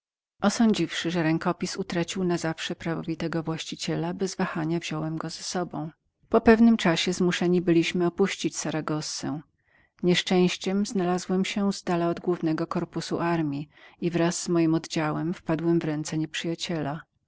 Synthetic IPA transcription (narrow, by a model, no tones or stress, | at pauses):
ʔɔsɔɲd͡ʑifʂɘʐɛɾɛŋkɔpʲisut̪ɾat͡ɕiwnazafʂɛpɾavɔvʲit̪ɛɡɔvwaɕt͡ɕit͡ɕɛlabɛzvaxaɲavʑɔwɛmɡɔzɛsɔbɔ̃w̃ | pɔpɛvnɘmt͡ʂaɕɛzmuʂɛɲibɘlʲiɕmɘɔpuɕt͡ɕit͡ɕsaɾaɡɔsːɛ̰ | ɲɛʂt͡ʂɛ̃w̃ɕt͡ɕɛmznalazwɛmɕɛz̥d̪alaɔd̪ɡwuvnɛɡɔkɔɾpusṵʔaɾmʲiivɾazz̥ːmɔjimɔd̪d͡ʑawɛmfpad̪wɛmvɾɛnt̪sɛɲɛpʂɘjat͡ɕɛla